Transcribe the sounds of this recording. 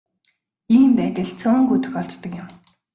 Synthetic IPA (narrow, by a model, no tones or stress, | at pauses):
iːmpæːt̪ə̆ɮt͡sʰʊːŋɡujt̪ʰɵ̥̆xʲɔɬt̪t̪ːə̆kjɪ̆m